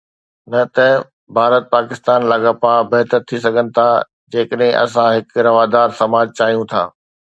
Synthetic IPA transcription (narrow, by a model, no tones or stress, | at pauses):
nɐt̪ɐ | bʱaːɾət̪̚paːkɪst̪aːnlaːɡapaːbɐɦt̪əɾt̪ʰis̬ɐɡʱənɪ̆t̪ʰa | d͡ʑeːkəɗɦɪ̃ʔɐ̰sãɦɪkɾɐʋaːd̪aːɾsɐmaːd͡ʑt͡ɕaːɦijũt̪ʰa̰ː